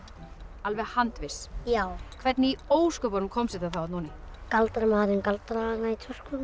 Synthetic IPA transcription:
alvɛɣhant̪vɪsjaːwkʰvɛt̪nɪioːwskœpɔnʏmkʰɔmsɪt̪aθawat̪nuːnɪ | kalt̪ɾamaːðɾɪnkalt̪ɾaanait̪ʰœr̥skʏ

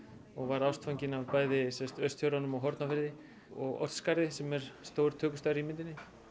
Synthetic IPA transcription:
ɔɣvaɾawst̪fawɲcɪnavpaːjðɪsɛst̪œɥst̪ʰjowɾanʏmaɣɦɔɾt̪nafɪɾðɪ | ɔɣɔ̰t̪skaɾðɪsɛmɛɾ̥st̪owɾ̥t̪ʰœːkʏst̪aɾimɪnt̪ɪnɪ

